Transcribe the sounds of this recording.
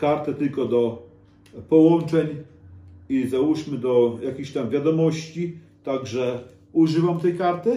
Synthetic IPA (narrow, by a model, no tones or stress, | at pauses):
kaɾt̪ɛt̪ɘlkɔd̪ɔ | pɔwɔnt͡ʂɛɲ | izawuʂmɘd̪ɔjakʲixɕt̪amvʲjad̪ɔmɔɕt͡ɕi | t̪aɡʐɛ | uʐɘvamt̪ɛjkaɾt̪ɘ